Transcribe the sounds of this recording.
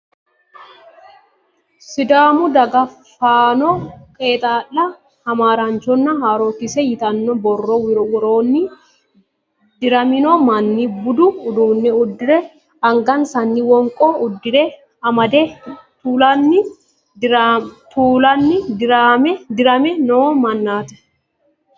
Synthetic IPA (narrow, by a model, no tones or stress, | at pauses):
sɪd̪aːmʊd̪ɐɡɐfaːnɔkʼeːt̪ʼaːlːɐ | hɐmaːɾant͡ʃɔnːɐɦaːɾoːt̪ɪsɛjɪt̪ɐnːɔbɔrːɔwɪɾɔwɾoːnːɪ | d̪ɪɾɐmɪnɔmɐnːɪbʊd̪ʊːd̪uːnːɛʊd̪ːɪɾɛ | ɐŋɡɐnsɐnːɪwɔŋkʼɔʊd̪ːɪɾɛ | ɐmɐd̪ɛt̪uːlɐnːɪ | t̪uːlɐnːɪd̪ɪɾamɛd̪ɪɾɐmɛnoːmɐnːaːt̪ɛ̥